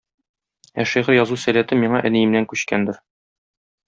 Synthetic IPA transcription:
æʃiʁɘɾjɒzusælæt̪ɘmːiɴɑʔɘ̆nĭjɘ̆mnæŋkʉɕkænd̪ɘɾ

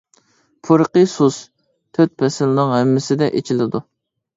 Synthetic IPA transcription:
pʰuɾəqəsus | t̪ʰøt̪̚pʰɛsɪlnɨŋɦɛmːɪsɪd̪ɛʔet͡ʃʰilɪd̪u

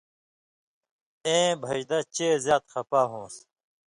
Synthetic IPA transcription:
ẽːbʱɐʑd̪ɐt͡ɕeːzjaːt̪xɐpaːɦõːs

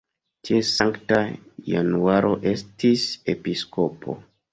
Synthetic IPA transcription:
tesaŋktaja̰nuaɾʔo̞ʔe̞stisepisko̞pʰo̞̰

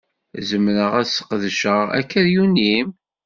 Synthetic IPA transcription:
zəmɾəʁæsə̥qðʃəʁæ̰kːəɾjunim

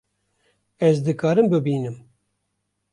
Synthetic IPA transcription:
ɛzd̪ɨkɑːɾɨmbɨbiːnɨm

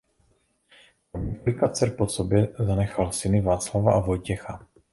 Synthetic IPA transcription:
plɪkat͡sɛɾposobjɛzanɛxalsɪnɪvaːt͡slavaʔavo̞jcɛxa

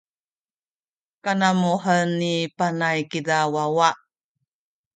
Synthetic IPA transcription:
kanamuɦənːipanajkidawawaʔ

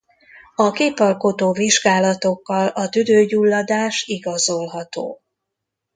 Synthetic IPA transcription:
ɒkeːpɒlkot̪oːviʒɡaːlɒt̪o̞kːɒlɒt̪yd̪øːɟulːɒd̪aːʃiɡɒzo̞lɦɒt̪o̰ː

